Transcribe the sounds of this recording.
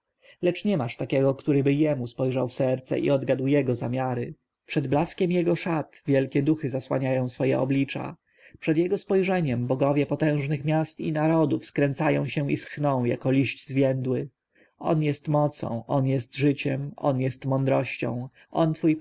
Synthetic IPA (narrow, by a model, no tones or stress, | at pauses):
lɛt͡ʂɲɛmaʂt̪akʲɛɡɔkt̪uɾɘbɘjɛmuspɔjʐawfsɛɾt̪sɛ̰ʔḭɔd̪ɡad̪wjɛɡɔzamʲjaɾɘ | pʂɛd̪blaskʲɛmjɛɡɔʂat̪vʲjɛlkʲɛd̪uxɘzaswa̰ɲajɔ̃w̃sfɔjɛ̰ɔ̰blʲit͡ʂa̰ | pʂɛd̪jɛɡɔspɔjʐɛɲɛmbɔɡɔvʲjɛpɔt̪ɛ̃w̃ʐnɘxmʲjast̪ḭnaɾɔd̪ufskɾɛnt̪sajɔ̰̃w̃ɕɛ̃ḭsxnɔ̃w̃ja̰kɔlʲiɕt͡ɕzvʲjɛnd̪wɘ | ɔ̰njɛst̪mɔt̪sɔ̰̃w̃ʔɔnjɛst̪ʐɘt͡ɕɛmɔ̰njɛst̪mɔnd̪ɾɔɕt͡ɕɔ̰̃w̃ | ʔɔnt̪fuj